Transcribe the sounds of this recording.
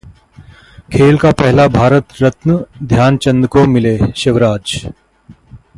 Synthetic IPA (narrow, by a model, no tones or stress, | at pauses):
kʰeːlkapɛɦlabʱaːɾət̪ɾət̪nəd̪ʱjaːnt͡ɕənd̪komileʃiʋɾaːd͡ʒ